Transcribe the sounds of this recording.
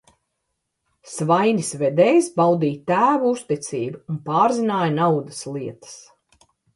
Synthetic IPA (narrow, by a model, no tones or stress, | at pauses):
svajnʲisvɛd̪ɛːjsbawd̪iːt̪æːvuust̪it̪siːbuunpaːɾzinaːjnawd̪ɐslˠiɛt̪ə̥s